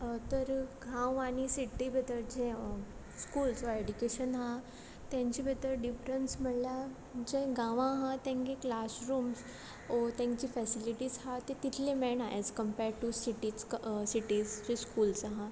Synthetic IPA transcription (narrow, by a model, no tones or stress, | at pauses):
t̪əɾɡʱãwaɽ̃isiʈːibʱət̪əɾd͡ʑẽ | skuːlsɔeɖukeɕənɦã | t̪jãɲt͡ɕibət̪əɾɖifɾənsm̤əɽlja | d͡ʑẽɡãʋãɦãt̪ɛ̃ŋkeklasɾuːms | ɔt̪ɛ̃ŋkt͡ɕiːfɛsiliʈiːzɦat̪et̪it̪ʰlemɛɳaʔɛd͡zkəmpɛɾɖʈusiʈit͡ssiʈizd͡ʑẽskuːlsaɦã